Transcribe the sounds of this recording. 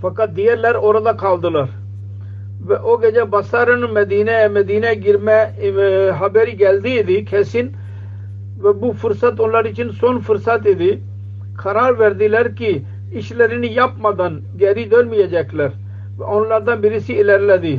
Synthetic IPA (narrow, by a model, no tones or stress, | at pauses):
pəkad̪iːɛlɛɾoːɾad̪aːkʰaːld̪ələɾ | ʋɛʔoːɡɛːd͡ʒaːbasaːɾənuməd̪iːneːməd̪iːneːɡɪɾmɛ̃ː | ɦɐbeːɾiːɡɛld̪iːɪd̪iːkʰɛːsin | ʋɛbuːfʰʊɾsət̪ʊnlaːɾiːt͡ʃʰɪnsonfʰʊɾsaːt̪ed̪iː | kʰəɾaːɾʋɛɾd̪iːlɛɾki | ɪʃləɾinijapmad̪ən | ɡɛːɾiːd̪əlmijaːd͡ʒɛːkʰlɛɾ | ʋɛonlaɾd̪ãːmɪɾiːsiːɪlɛɾlɛːd̪iː